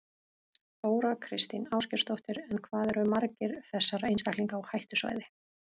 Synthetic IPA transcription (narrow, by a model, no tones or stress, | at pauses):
foːwɾakʰɾɪst̪inaːwscɪɾ̥st̪owht̪ɪɾɛnkʰvaːðɛɾʏmaɾcɪɾ̥θɛsːaɾejnst̪akliŋkawhajht̪ʏsva̰ːjðɪ